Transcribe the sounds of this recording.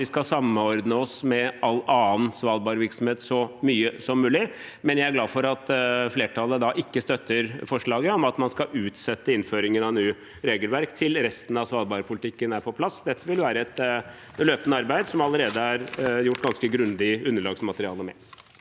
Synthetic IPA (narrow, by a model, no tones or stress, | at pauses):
ʋɪskɑsɑmːəɔɾd̪nəɔsmɛɑlɑːənsʋɑːlbɑːɾʋɪɾksɔmheːt̪sɔmyːəsɔmːʉːlɪ | mɛnjæɪæɾɡlɑːfɔɾɑt̪fleːʈʰɑlːəd̪ɑʔɪkːəst̪œt̪ːəɾfɔʂɭɑːɡəɔmɑt̪mɑnskɑʉːt̪sɛt̪ːəɪnføːɾɪŋənɑnyː | ɾeːɡəlʋæɾkt̪ʰɪlɾɛst̪ən̩ɑʋsʋɑːlbɑːɾəpʰʊlɪt̪ʰɪkːənæɾpʰɔpʰlɑsd̪ɛt̪ːəʋɪlʋæːɾəɛt̪ | løːpənəɑɾbæɪd̪sɔmɑləɾeːd̪əɑæɾjʊʈːɡɑnskəɡɾʉnd̪ɪʉnːəɭɑːɡsmɑt̪əɾɪɑ̰ːləmɛ̰